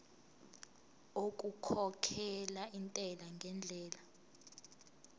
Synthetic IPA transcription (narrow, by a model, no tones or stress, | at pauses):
okʼukʰɔkʰɛlaintʼɛlaŋɡʱɛnd͡ɮʱɛːla